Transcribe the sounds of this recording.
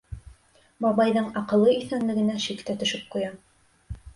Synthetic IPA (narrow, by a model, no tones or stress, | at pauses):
mɒβɑjðɤɴɑqɤ̆lˠːɤiθænlɘ̆ɡɘ̆næʃikt̪æt̪ɵ̆ʃɘp̚qujɑ